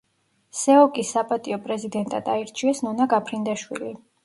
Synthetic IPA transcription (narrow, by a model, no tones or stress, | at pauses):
sɛɔkʼisːapʼat̪ʼiɔpʼɾɛzid̪ɛnt̪ʼad̪aiɾt͡ʃʰiɛsnɔnaɡapʰɾind̪aʃwḭli